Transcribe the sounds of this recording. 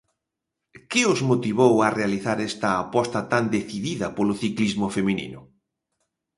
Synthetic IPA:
kɪʊzmot̪iβowarealiθaɾɛst̪ɐːpɔst̪ɐt̪and̪eθiðiðɐpolʊθiklizmʊfemĩnḭnʊ

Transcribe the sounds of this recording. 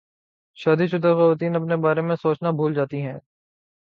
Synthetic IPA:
ʃaːd̪iʃʊd̪ʱaxɐʋaːt̪iːnɐpnebaːɾemẽsoːt͡ʃnabʱuːld͡ʒaːt̪iɦɛ̃ː

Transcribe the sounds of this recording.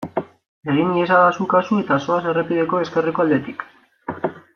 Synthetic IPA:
eɣiniesaðasukasue̞t̪aso̞ase̞repiðe̞ko̞e̞ske̞riko̞ald̪e̞t̪ik

